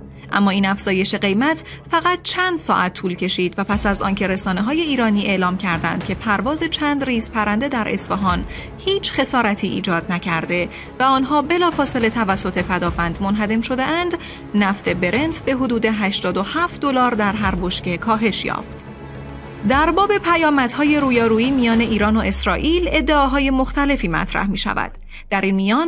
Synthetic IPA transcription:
ʔæ̰mːɒːiːnæfz̥ɒːje̞ʃe̞ɢe̞jmæt̪ʰ | fæɣæt̪̚t͡ʃʰænd̪̥sɒ̰ːʔæt̪ʰːuːlcʰe̞ʃiːd̪væpæsæzɒ̰ːncʰe̞ɾe̞sɒːneɦɒːje̞iːɾɒːniːʔe̞ʔlɒːmcʰæɾd̪æ̰nd̪̥cʲʰe̞pʰæɾvɒːze̞t͡ʃʰænd̪riːz̥pʰæɾænd̪e̞d̪æɾʔe̞̰sfeɦɒːn | hiːt͡ʃʰχe̞sɒːɾæt̪ʰiːʔḭːd͡ʒɒːd̪̥̚næcʰæɾd̪e̞ | væɒːnɦɒːbe̞lɒːfɒːse̞le̞t̪ʰævæsːo̞t̪ʰe̞pʰæd̪ɒːfænd̪monɦæd̪e̞mʃo̞d̪e̞ʔænd̪ | næft̪ʰe̞be̞ɾe̞nt̪ʰbe̞ɦo̞d̪uːd̪e̞ɦæʃt̪ɒːd̪o̞hæːft̪̚d̪olɒːɾd̪æɾɦæɾbo̞ʃce̞kʰɒːɦe̞ʃjɒ̰ːft̪ | d̪æɾbɒːbe̞pʰæjɒːmæd̪̥hɒːje̞ɾuːjɒːɾuːiːmijɒːne̞ʔiːɾɒːnoʔe̞sɾɒːʔiːle̞d̪ːe̞ɒːɦɒːje̞mo̞xt̪ʰæle̞fiːmæ̰t̪ʰɾæ̰hmiːʃæ̰væ̰d̪̥ː | æɾiːnmijɒːn

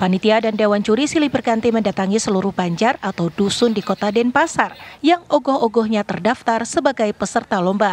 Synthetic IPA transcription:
panit̪iadandewant͡ʃuɾisilibərkant̪iməndat̪aŋisəluɾʊhbaɲd͡ʒarat̪awdusʊndikot̪adɛnpasarjaŋoɡɔɦɔɡɔhɲat̪ərdaft̪arsəbaɡajpəsərt̪alɔmba

